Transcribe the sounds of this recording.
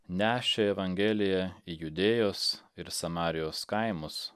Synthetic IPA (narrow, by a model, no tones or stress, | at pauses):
nʲæːʃʲeɛʋɐŋʲɡʲelʲɪjɛijʊd̪ʲeːjoːsɪɾsɐmɑːɾʲɪjoːskɐɪmʊs